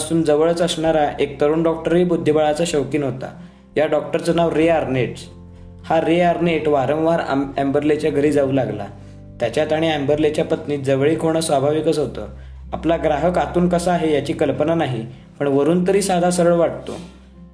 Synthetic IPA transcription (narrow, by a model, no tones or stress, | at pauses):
suːnd͡zəʋəɭət͡səsɳaɾaʔek̚t̪əɾuːnɖɔk̚ʈəɾʋiːbud̪ʱːibaɭat͡saɕəʋkiːnɦot̪a̰ | jaɖɔk̚ʈəɾt͡sənaʋɾeaɾneʈ | haɾeaɾneʈʋaɾə̃wʋaɾ̰æmbəɾlet͡ɕjaɡʱəɾiːd͡zauːlaɡla̰ | t̪jat͡ɕjat̪aɽ̃iːæmbəɾlet͡ɕjapət̪niːd͡zəʋɭiːkoɽ̃əsʋabʱaʋikət͡sɦot̪ə̰ː | aplaɡɾaɦəkat̪uːnkəsaːɦejat͡ɕiːkəlpənanaɦi | pəɳʋəɾuːnt̪əɾiːsad̪ʱasəɾəɭʋaʈ̚t̪o̰